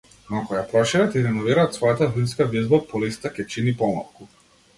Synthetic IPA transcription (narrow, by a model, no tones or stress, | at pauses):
nɔkɔjapɾɔʃiɾɛt̪iɾɛnɔviɾaːt̪svɔjat̪avinskavizbapɔlist̪akʲɛt͡ʃinipɔma̰lˠku